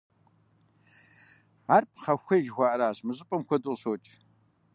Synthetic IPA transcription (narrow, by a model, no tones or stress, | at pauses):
aːrpʰχɐxʷɐjʒxʷaːʔɾaːɕmɨʑʼɨpʼɐmkʷʰɔduɕoːt͡ʃʼ